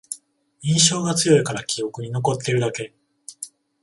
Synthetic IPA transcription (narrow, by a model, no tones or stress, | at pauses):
ĩɰ̃ɕo̞ːɡat͡sɨjo̞ikaɾakʲijo̞kɯ̟ɲ̟ino̞ko̞t̪ːe̞ɾɯ̟d̪ake̞